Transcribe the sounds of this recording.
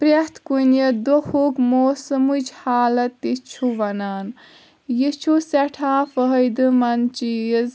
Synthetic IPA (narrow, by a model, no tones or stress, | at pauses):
pɾet̪kunjɐd̪ohukmoːsəmud͡ʒhaːlɐt̪ːit͡ʃʰuʋɐnaːn | jit͡ʃʰusɐʈʰãːfəɦəjd̪ɨmɐnt͡ʃiz